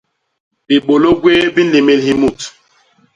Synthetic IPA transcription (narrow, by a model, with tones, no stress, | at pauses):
bi˨ɓo˨lo˦ɡweː˦bi˦le˨me˦˨lhi˦mu˦˨t